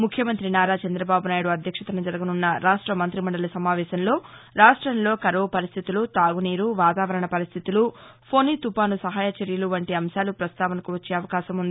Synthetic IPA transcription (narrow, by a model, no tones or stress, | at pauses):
mukʰjɐmɐnt̪ɾinaːɾaːt͡ʃɐnd̪ɾɐbaːbunaːjuɽuɐd̪ʱjɐkʂɐt̪ɾɐnɐd͡ʒɐɾɐɡununːɐɾaːʂʈɾɐmɐnt̪ɾimɐɳɖɐlɐsɐmaːʋɛːʃɐnlo̞ːɾaːʂʈɾɐnlo̞ːkɐɾɐʋɐpɐɾist̪ʰit̪ulut̪aːɡuniːɾuʋaːt̪aːʋɐɾɐɳɐpɐɾist̪ʰit̪ulupʰo̞ːnit̪upaːnusɐɦaːjat͡ʃɐɾjɐluʋɐɳʈiɐmʃaːlupɾɐst̪ʰaːʋɐnɐkuʋɐt͡ʃːe̞ːɐʋɐkaːʃɐmund̪i